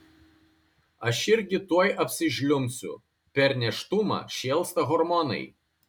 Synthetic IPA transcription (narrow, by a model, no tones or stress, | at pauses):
ɐʃɪɾʲɡʲɪt̪uɔjʔɐpʲsʲɪʃʲlʲʊmʲsʲʊ̰ | pʲɛɾnʲɛʃt̪ʊmɑ̰ʃʲeːlˠst̪ɐɣɔɾmɔnɐ̰ɪ